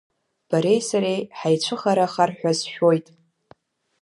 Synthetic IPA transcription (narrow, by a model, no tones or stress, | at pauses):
b̥aɾe̞jsaɾejħajt͡ʃʷʰɨχaɾaχarħʷᶣazʃᶣojtʼ